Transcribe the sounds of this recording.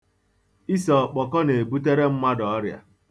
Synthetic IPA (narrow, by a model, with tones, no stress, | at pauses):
i˦sɔ˨k͡pɔ˨kɔ˦ne˨bu˦te˦ɾe˦m̩˦ma˦dɔ˨ɔ˦ɾja̰˨